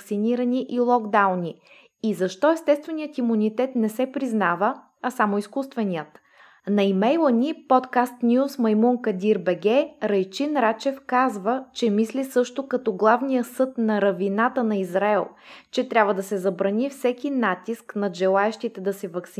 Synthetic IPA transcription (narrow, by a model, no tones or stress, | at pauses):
ksiniɾɐniʔilˠɔɡd̪awni | izɐʃt̪ɔɛst̪ɛst̪vɛnijət̪imunit̪ɛt̪nɛsɛpɾiznavə | ɐsamʊiskust̪vɛniət̪ | nɐimɛjlˠənipɔt̪kast̪nʲusmɐjmuŋkɐd̪ʲiɾbɛɡɛɾɐjt͡ʃinɾat͡ʃɛfkazvət͡ʃɛmislisɤʃt̪ʊkɐt̪ɔɡlˠavnijəsɤt̪nɐɾɐvinat̪ənɐizɾaɛlˠt͡ʃɛt̪ɾʲabvəd̪ɐsɛzɐbɾɐnifsɛkinat̪isknɐʒɛlˠaɛʃt̪it̪ɛd̪ɐsɛvɐks